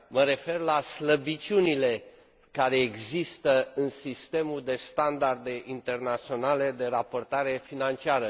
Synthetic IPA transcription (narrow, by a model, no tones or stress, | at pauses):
məɾe̞fe̞rlasləbit͡ʃiunile̞ | kaɾe̞ːɡzist̪əɨnsist̪e̞muld̪e̞st̪and̪ard̪e̞ʔint̪e̞rnat̪sio̞nale̞d̪e̞ɾapo̞rt̪aɾe̞finant͡ʃiaɾə